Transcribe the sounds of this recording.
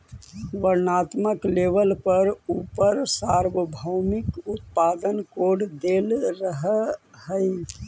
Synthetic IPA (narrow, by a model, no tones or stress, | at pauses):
ʋəɾnaːt̪məkleʋəlpəɾupəɾsaɾwəbʱəwmɪkʊt̪paːd̪ənkoɖd̪elɾəɦhəj